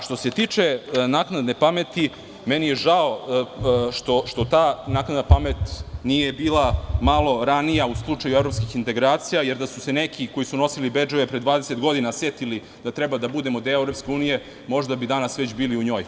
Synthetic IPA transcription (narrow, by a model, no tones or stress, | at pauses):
ʃt̪o̞se̞t̪iːt͡ʂe̞naːknad̪nepamet̪i | menijeʒao | ʃt̪oʃt̪o̞t̪aːnaːknad̪napamet̪nijebiːlˠamalˠo̞ɾanijauslˠut͡ʂajuevɾo̞pskixint̪e̞ɡɾaːt̪sijajeɾd̪asuse̞nekʰiko̞jisuno̞silibed͡ʒoʋepɾe̞d̪vʋaːd̪ese̞t̪ɡo̞d̪inaset̪ili | d̪̥at̪ɾɛbad̪abud̪e̞mod̪eevɾo̞pskʲe̞uːnije̞ | mo̞ʒd̪abid̪anasʋet͡ɕbiːliuɲo̞ːj